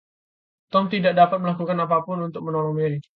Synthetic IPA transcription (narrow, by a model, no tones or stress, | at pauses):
t̪ɔmt̪idak̚dapat̪̚məlakukanapapʊnunt̪ʊk̚mənɔlɔŋmeɾi